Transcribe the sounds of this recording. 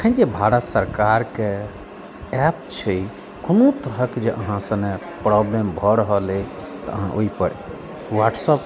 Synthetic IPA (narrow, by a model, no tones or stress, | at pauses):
kʰənd͡ʒebʱaɾət̪səɾkaɾke | ɛpt͡ʃʰəj | konot̪əɾəkd͡ʒeʔəɦãsə̃ne | pɾɔblembʱɔɾəɦəlet̪ɔ̰əɦãʔoipəɾ | waʈsəp